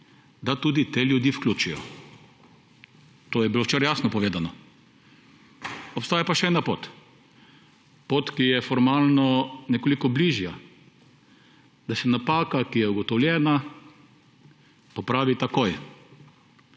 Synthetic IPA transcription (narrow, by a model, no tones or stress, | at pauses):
d̪at̪ud̪it̪eljud̪jifklʲuːt͡ʃijɔ̰ | t̪oːjɛbilowt͡ʃeːɾajaːsnɔpɔʋeːd̪anɔ | ɔpst̪aːjapaʃɛɛnapoːt̪ | pot̪kijɛfɔɾmaːlnɔnɛkolikɔbliʒja | d̪̥asɛnapaːkakijɛuɡɔt̪ɔwljɛːna | pɔpɾaːʋit̪akoj